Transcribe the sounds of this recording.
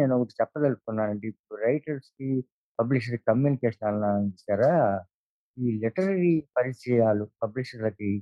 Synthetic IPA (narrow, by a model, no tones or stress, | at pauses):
neːnokuʈut͡ʃɛpːɐt̪ɐlusk̪unːaːnɐɳʈiːpːuɽuɾɐjʈɐɾski | pɐbliʂ̬ɐɾkikɐmjuːnikeːʂɐnaɐlnanit͡ʃːaːɾa | iːliʈɐɾɐɾipɐɾit͡ʃɾɛjaːlupɐbliʂɐɾlɐki